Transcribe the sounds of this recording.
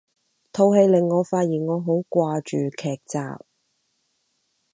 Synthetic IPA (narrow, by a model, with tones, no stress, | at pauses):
t̪ʰo˨˧whe˧jlɪ˨ŋːɔː˨˧faː˧t̚jiː˨nŋɔː˨˧ɦo˨˥wkʷaː˧t͡ʃyː˨˩kʰɛː˨˩k̚t͡sa̰ː˨p̚